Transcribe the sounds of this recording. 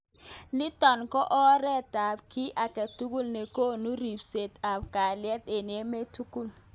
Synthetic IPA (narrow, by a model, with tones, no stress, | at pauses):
ni˦tɔ˨nkɔ˦ʔɔ˦ɾɛ˦ta˨p̚ki˦ʔa˨ke˨tu˦ku˦˨lne˨ko˦nu˦ɾi˨pse˨ta˨p̚ka˨ljɛ˦te˨n˨e˦me˦tu˦ku˦˨l